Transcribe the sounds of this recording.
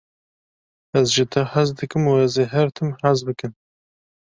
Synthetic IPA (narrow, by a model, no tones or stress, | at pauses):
ɛzʒɨt̪ʰɨhazd̪ɨkɨmuɛzeɦɛɾt̪ʰɨmhazbɨkɨn